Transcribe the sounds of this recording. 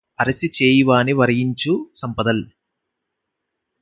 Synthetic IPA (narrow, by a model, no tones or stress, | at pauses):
ɐɾɐsit͡ʃeːjiʋaːniʋɐɾɐjiɲt͡ʃusɐmpɐd̪ɐl